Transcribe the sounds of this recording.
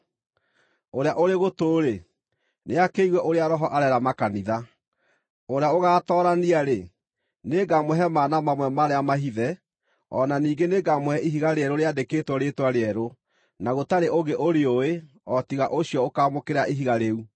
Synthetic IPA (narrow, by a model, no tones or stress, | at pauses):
oɾeaʔoɾeɣotoːɾe | neakeiɣwɛʔoɾeaɾɔɦɔʔaɾɛɾamakaniða | oɾeaoɣaːtɔɾaniaɾe | neɡamwɦɛmaːnamamwɛmaɾeamaɦiðɛ | ɔnaniːɡeneɡamohɛʔiɦiɣaɾeɛɾoɾeadeketwɔɾetwaɾeɛɾo | naɣotaɾeʔoɣeʔoɾeoe | ɔtiɣaʔoɕiɔokaːmokeɾaʔiɦiɣaɾeu